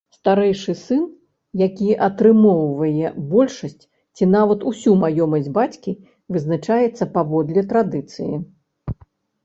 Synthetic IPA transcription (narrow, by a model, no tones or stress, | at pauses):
st̪aɾɛjʂɨsɨn | jakʲiʔɐt̪ɾɨmɔwvɐjɛbɔlʲʂɐsʲt͡sʲ | t͡sʲinavɐt̪usʲumajɔmɐsʲd͡zʲbat͡sʲkʲi | vɨznat͡ʂajɛt̪sːɐpavɔd̪lʲɛt̪ɾad̪ɨt̪sɨjḭ